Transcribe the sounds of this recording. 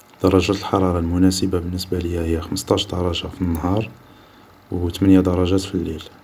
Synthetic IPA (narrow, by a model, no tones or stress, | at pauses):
d̪̥ɑɾˤːɑʒæt̪əlħɑɾˤɑɾˤɑlmʊnæsəbabənːəsbaləjːæhəjːæxəməst̪ˤɑʃɾd̪ɑɾˤɑʒafinːhɑɾˤ | wt̪mənjad̪ɑɾˤɑʒæt̪filːil